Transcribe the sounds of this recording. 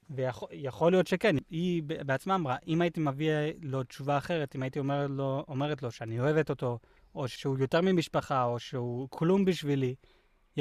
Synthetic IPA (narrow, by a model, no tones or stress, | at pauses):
vejaχjaχo̞lijo̞tʃekenibebeat͡smaːmʁaʔimaitimavialo̞t͡ʃuvaːχe̞ʁetimaitiomeoome̞ʁet̬lo̞ʃeanio̞e̞veto̞to̞ | oʃʃeujo̞teʁmimiʃpaχaoʃeukʰlumbiʃvili | j